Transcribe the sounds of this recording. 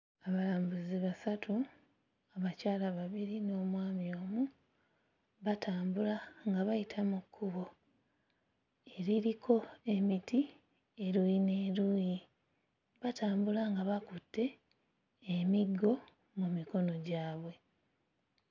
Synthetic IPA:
aβalaːmbuziβasatʰu | aβacaːlaβaβiɾino̞ːmwaːmjo̞ːmu | βataːmbulaŋɡaβajitʰamukʰːuβo̞ | e̞ɾiɾikʰo̞e̞miti | eɾujine̞ːɾuji | βatʰaːmbulaŋɡaβakutːe̞ː | miɡːo̞ | mumiko̞no̞ɟaːβwe̞

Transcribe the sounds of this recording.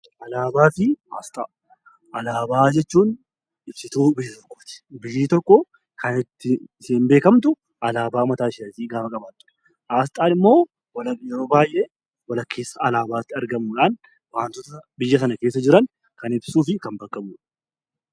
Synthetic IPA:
ʔɐlaːbaːfɪa̰ːst̪ʼaː | ʔɐlaːbaːd͡ʒɛt͡ʃːuːn | ɪb̥sɪt̪uːbɪjːɐt̪ɔkːo̥ːt̪ɪ̥bɪjːiːt̪ɔkːɔ | kʰɐnɪt̪ːɪsiːmbe̞ːkɐmt̪ʊ | ʔɐlaːbaːmɐt̪aːʃɪɐt̪iːɡaːfɐkʼɐbaːt̪ːʊ̥ɛ̥ | ʔaːst̪ʼaːnɪmːo̞ː | wɐlɐjɛɾo̞ːbaːjʔeː | wɐlɐkːe̞ːsːɐɐlaːbaːt̪ːɪɐɾɡɐmuːᶑaːn | waːnt̪ɔt̪ɐbɪjːɐsɐnɐkeːs̬ːɐd͡ʒɪɾɐn | kɐnɪbsuːfɪkɐmbɐkʼːɐmuːᶑɐ

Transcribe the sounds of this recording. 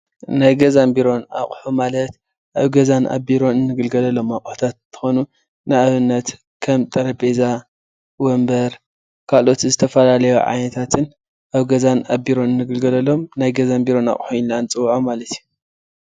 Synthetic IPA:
najɡɐzambiɾo̞na̰χʼħumalɐt̪ | ʔaβɡɐzanʔa̰biɾo̞nɨnːɨɡɨlɡɐlɐlːo̞makʼħut̪ʰat̪t̪ʰɨ̥xo̞nu | nɨaβɨnːɐt̪ | kʰɐmt̪ʼɐɾɐbeza | wombɐɾ | kʰalʔo̞t̪zɨt̪ʰɐfɐlalɐjuʕa̰jnɐt̪ʰat̪ʰɨn | ʔaβɡɐzanabiɾo̞nɨnːɨɡɨlɡɐlɐlo̞mnajɡɐzambiɾo̞na̰χʼħuilːant͡sʼɨwʕomalɐt̪ju

